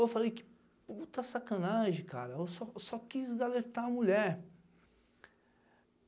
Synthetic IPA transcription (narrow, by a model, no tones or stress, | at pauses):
ewfalejkɪ̥ | put̪ɐsakɐ̃naʒẽka̰ɾɐewsɔsɔkizzaleɾt̪aɐmuʎɛɾ